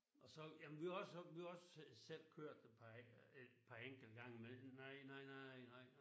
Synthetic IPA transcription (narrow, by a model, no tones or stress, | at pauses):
ʔɒ̽sɒ̽jæmnʋiaɒsʋihaɒ̽ssel̰kʰøɐ̰d̥ed̥pʰɑe̥pʰɑ̈eŋ̰ɡ̥l̩d̥ɡ̥ɑ̈ŋ̰əmenɑɪ̰nɑ̈ɪ̰nɑɪnɑɪnɑɪ̰